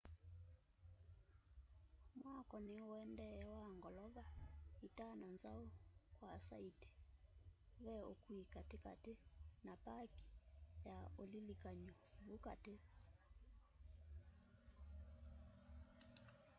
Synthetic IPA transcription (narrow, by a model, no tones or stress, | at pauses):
mwakɔneoɛndɛwaŋɡɔlɔβaitanɔnzaokwasaiti̥ | βɛokwikatika̰tenapaki̥jaolilikaɲɔβukate